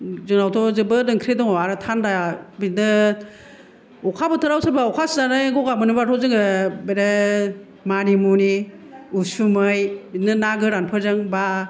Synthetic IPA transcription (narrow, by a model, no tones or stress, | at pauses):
zɯŋnawtʰɔzɯbɯdɯŋkʰɾedɔŋɔaɾɯtʰandajabitnɯ | ɔkʰabɯtʰɯɾawsaɾbaɔkʰaszanajɡɔɡamɯnibatʰɔzɯŋɯbeɾe | manimuniusumɯjbitnɯnaɡɯɾanpʰɯzɯŋba